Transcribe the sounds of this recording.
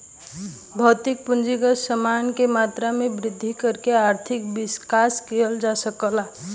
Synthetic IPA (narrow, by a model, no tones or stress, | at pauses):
bʱət̪ik̚pund͡ʒiɡəsəmankemat̪ɾamebɾid̪ʱːikəɾkeaɾt̪ʰikbiskaskiəld͡ʒasəkəla